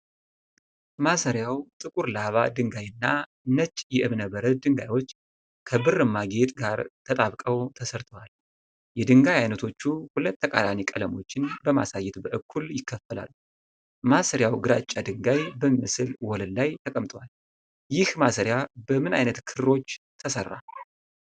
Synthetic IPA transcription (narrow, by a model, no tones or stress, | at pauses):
masəɾjawt̪ʼɨkʼuɾlaβa̰d̪ɨŋɡajɨnːa | nət͡ʃːʼjɛʔɨβnəbəɾəd̪ɨŋɡa̰jwo̞t͡ʃː | kʰəbɨrɨmaɡet̪ɡaɾt̪ʰət̪ʼaβkʼəwt̪ʰəsəɾt̪ʰəwal | jɛd̪ɨŋɡajajnət̪ʰo̞t͡ʃːuhulət̪ːəkʼa̰lanikʼələmo̞t͡ʃːɪnbəma̰sajːɛt̪bəʔɨkʰːuljɪkːəfːəla̰lːu | masəɾjawɡɨɾat͡ʃʼːad̪ɨŋɡajbəmiməsɨlwɔləllajt̪ʰəkʼəmt̪ʼwal | jɪhmasəɾjabəmɨna̰jnət̪kʰɨɾɾo̞t͡ʃː | t̪ʰəsərːa̰